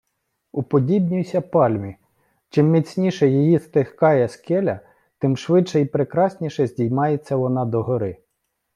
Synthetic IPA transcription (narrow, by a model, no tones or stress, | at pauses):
upɔdʲibnʲijsʲɐpɑlʲmʲi | t͡ʃɪmːʲit͡sʲnʲiʃɛjijist̪ehkɑjɛskɛlʲɐ | t̪ɪmʃʋɪtʃɛipɾekɾɑsʲnʲiʃɛzʲdʲijmɑjet͡sʲːɐʋɔnɑd̪ɔɦɔɾɪ